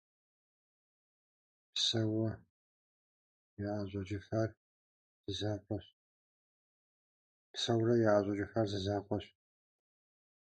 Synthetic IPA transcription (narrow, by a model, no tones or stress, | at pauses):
psɐwɐ | jɛaɕʼɐd͡ʒɪxɐr | z̥ɨzaːpʷʼɔɕ | psɐwrɐjɛaɕʷʼɐd͡ʒɪxɐrzɨzaːqʷʼɔɕ